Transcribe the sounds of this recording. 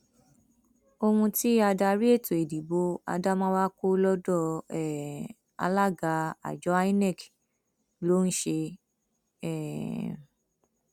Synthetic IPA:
o˧hũ˧ti˦a˧da˧ɾi˦e˦˨to˨e˨di˨bo˨˦a̰˧da˦mãː˦wa˦ko˦lɔ˦dɔ˦˨ɛ˨ | a̰˧la˦˨ɡa˨˧˦a̰˨d͡ʒɔ˨˦a˦i˦nɛ˦˨k | lo˦n̩˦ʃe˧ | ɛ˦˨

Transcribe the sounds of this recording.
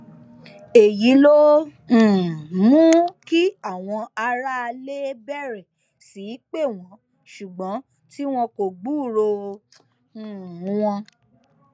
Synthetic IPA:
e˨ji˨˦lõ˦˨ | mũ˦ki˦a˦˨w̃ɔ̃˧a˧ɾa˦˧le˦bɛ˦˨ɾɛ˨ | si˨˦k͡pe˦˨w̃ɔ̃˨˦ | ʃu˨ɡ͡bɔ̃˨˦ | ti˦w̃ɔ̃˧ko˨ɡ͡buː˦˨ɾo˧˨˦ | w̃ɔ̃˧

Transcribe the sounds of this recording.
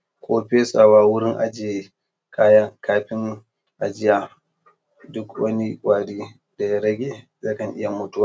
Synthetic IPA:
kʷʰʼoː˦ɸeː˦sa˨waː˦wʊ˦ɽɪ˦ŋʔa̰˨d͡ʒeː˨ | kʰaː˦jɐ˦ŋkʰaː˦ɸɪ˦ŋ | ʔa˨d͡ʒɪ˦jaː˨ | dʊ˦kwɐ˦ni˦kʷʼaː˨ɽiː˦ | da˨ja˦ɾɐ˦ɡʲeː˨ | zaː˦kɐ˨ŋʔɪ˦ja˨mʊ˦tʊ˦waː˨

